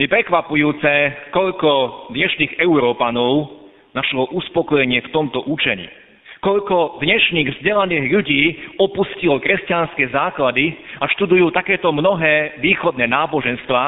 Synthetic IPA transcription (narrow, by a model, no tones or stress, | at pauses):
jɛpɾɛkʋapujuːt͡sɛkɔʎkɔd̪ɲɛʃniːɣɛʊɾɔːpanɔʊ | naʃɦɔʔuspɔkɔjɛɲɪɛft̪ɔmt̪ɔʔut͡ʃɛɲḭ | kɔʎkɔd̪ɲɛʃniːɣvzɟɛlaniːɣʎuɟiːɔpuscilɔkɾɛscanskɛːzaːklad̪iaʃt̪ud̪ujuːt̪akɛːt̪ɔmnɔɦɛːʋiːxɔd̪nɛːnaːbɔʒɛnst̪ʋaː